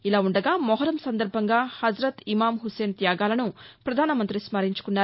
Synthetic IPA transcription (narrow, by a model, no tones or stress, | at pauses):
ilaːuɳɖɐɡaːmɔɦɐɾɐmsɐnd̪ɐɾbʱɐŋɡaːhɐd͡ʒɾɐt̪imaːmɦuse̞ːnt̪jaːɡaːlɐnupɾɐd̪ʱaːnɐmɐnt̪ɾismɐɾiɲt͡ʃu̥kunːaːɾ